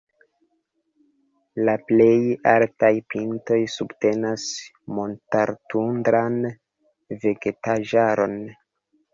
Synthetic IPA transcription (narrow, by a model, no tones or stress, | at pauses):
laple̞jaltajpinto̞jsubte̞nas | mo̞ntaɾtundɾan | ve̞ɡe̞taʒaɾo̞n